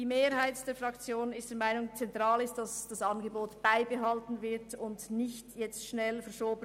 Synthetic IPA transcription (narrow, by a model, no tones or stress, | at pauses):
d̥iːmeːɾhaɪtd̥eːɐfʁɑkt͡sjoːnɪstd̥eːɐmaɪnʊŋt͡sɛntʁ̥ɑːlɪst̚d̥ɑsd̥ɑsɑnɡəboːtb̥aɪbəɦɑltn̩vɪʁtʊndnɪçtjɛt͡stʃnɛlfɛɐʃoːbə